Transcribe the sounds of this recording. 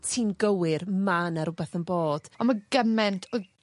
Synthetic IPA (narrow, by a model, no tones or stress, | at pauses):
tʰiːnɡəwɪrmanaɾʊbɛθənboːd̥ɔmaɡəmɛntʰɔ